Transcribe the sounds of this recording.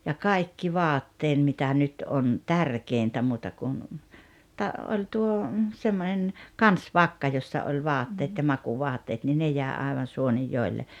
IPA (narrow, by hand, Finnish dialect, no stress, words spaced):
jɑ kɑi̞kːi ʋɑːtːeːn mitæ ʔnyt ʔon tærkeˑintæ muːtɑ kun tɑ ʔolʲ tuo semːonen kɑnsʋɑkːɑ josːɑ olʲ ʋɑːtːeːt jɑ mɑkuːʋoɑtːɑːt ni ne jæˑe ɑeʋɑn suonijːoelːe